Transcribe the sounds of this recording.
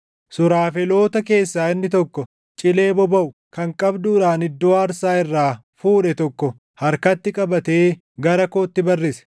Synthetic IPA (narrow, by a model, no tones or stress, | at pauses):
sʊɾaːfɛlo̞ːt̪ɐke̞ːsːaːɪnːɪt̪ɔkːɔ | t͡ʃʼɪle̞ːbɔbɐʔʊ | kɐŋkʼɐbd̪uːᶑaːnɪd̪ːoːɐɾsaːɪrːaː | fuːᶑɛt̪ɔkːɔ | hɐɾkɐt̪ːɪkʼɐbɐt̪e̞ː | ɡɐɾɐkoːt̪ːɪbɐrːɪsɛ̥